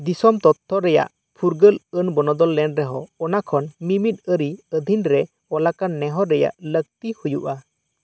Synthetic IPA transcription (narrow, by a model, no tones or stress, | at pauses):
d̪isɔmt̪ɔt̪ʰːɔɾɛja̰ʔ | pʰuɾɡələnbɔnɔd̪ɔlːɛnɾɛɦɔɔnakʰɔnmimit̪̚əɾiəd̪ʱinɾɛ | ɔlakanːɛɦɔɾɛja̰ʔlək̚t̪ihujuʔa